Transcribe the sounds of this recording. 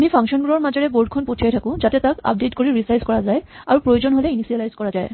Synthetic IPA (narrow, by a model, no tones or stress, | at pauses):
mipʰaŋkʃɔnɡuɹɔɹmazɔɹɛboɹd̚kʰɔnpotʰijajtʰakʊ̃zatɛtaka̰p̚detkoɹiɹisajzkɔɹazajaɹupɹojozonɦolɛinisialajzkɔɹazaj